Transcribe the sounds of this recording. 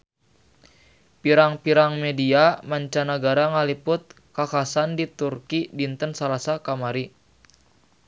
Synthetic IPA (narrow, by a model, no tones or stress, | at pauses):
piɾaŋpiɾaŋmediamaɲt͡ʃanaɡaɾaŋalipʊt̪̚ | kakasandit̪urkidint̪ənsalasakamaɾi